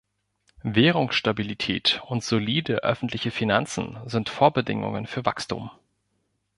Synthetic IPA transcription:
veːʁ̞ʊŋsʃtabilitʰɛ̰ːtʊntz̥oliːdəʔœ̰fn̩tʰlɪçəfinant͡sn̩zɪntfoːɐbədɪ̰ŋʊ̰ŋə̰nfyːɐvakstṵːm

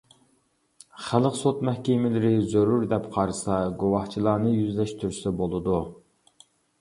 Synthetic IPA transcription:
χælˠəqsot̪mɛhkʲɪmɪlɪɾɪzøɾuɾd̪ɛpqʰɑɾsɑɡowɑht͡ʃʰilˠɑːnɨjyzlɛʃt̪ʰyɾsɛbolˠɨd̪u

